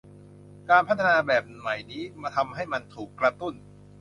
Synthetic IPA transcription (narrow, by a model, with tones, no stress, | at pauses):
kaː˧npʰa˦˥t̪ʰːa˧naː˧bɛː˨˩p̚ma˨˩jniː˦˥maː˧t̪ʰa˧mɦa˥˩jma˧nt̪ʰuː˨˩kːɾa˧t̪u˥˩n